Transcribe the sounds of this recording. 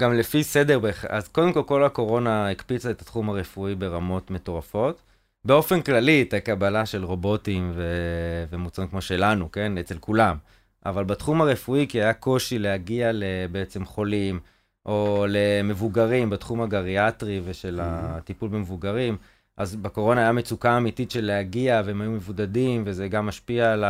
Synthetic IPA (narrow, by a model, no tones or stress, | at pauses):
ɡ̥amlefise̞deʁbeχʔazko̞demko̞lko̞lako̞ʁo̞naikpit͡saet̪ḁt̪χumaʁefuibe̞ʁamo̞t̪me̞to̞ʁafo̞t | be̞o̞fe̞nklalitakabalaʃe̞lʁo̞bo̞timvevemut͡saʁimkmo̞ʃe̞lanukenet͡se̞lkulam | ʔa̰valbat̪χumaʁefuikiajako̞ʃile̞haɡiale̞beet͡se̞mχo̞lim | ʔo̞le̞me̞vuɡaʁimbat̪χumhaɡaʁiat̪ʁiveʃe̞latipulbemevuɡaʁim | ʔazbako̞ʁo̞naːjame̞t͡sukaːmitit̪ʃe̞lːehaɡiaveemhajume̞vudadimve̞zeɡamːaʃpiala